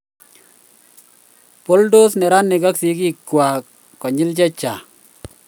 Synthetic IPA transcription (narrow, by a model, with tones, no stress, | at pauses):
po˦ldo˦snɛ˨ɾa˦nːɪ˨ka˦ksi˨˦ki˦˨kwa˨ | kɔ˨ɲɪ˦ld͡ʒɛ˦t͡ʃa˨